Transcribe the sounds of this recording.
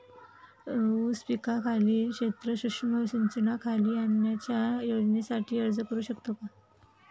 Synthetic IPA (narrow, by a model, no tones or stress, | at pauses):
uspikakʰaliːkɕet̪ɾəɕukʂməɕiɲt͡ɕənakʰaliːənjat͡ɕjajod͡ʑnjasaʈʰiːəɾd͡zəkəɾuːɕəkt̪oka